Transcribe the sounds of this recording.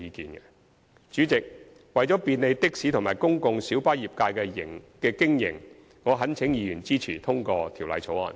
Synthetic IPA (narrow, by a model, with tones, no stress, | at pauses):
iː˨˧kiː˨˧nɡɛ˧ | t͡ʃyː˨˥t͡sɪ˨k̚ | wɐ˨jt͡ʃɔ˨˥piː˧nle˨˧jt̪ɪ˥k̚siː˨˥t̪ʰʊ˨˩ŋmaː˨˩jkʊ˥ŋkʊ˧ŋsiː˨˥wpaː˥jiː˨p̚kaː˧jkɛː˧jɪ̰˨˩ŋkɛː˧kɪ˥ŋjɪ̰˨˩ŋ | ŋɔː˨˧ɦɐ˨˥nt͡sʰɪ˨˥ŋjiː˧jyː˨˩nt͡siː˥t͡sʰiː˨˩t̪ʰʊ˥ŋkɔː˧t̪ʰi˨˩wlɐ̰˨˧jt͡sʰo˨˥wɔ̰ː˨˩n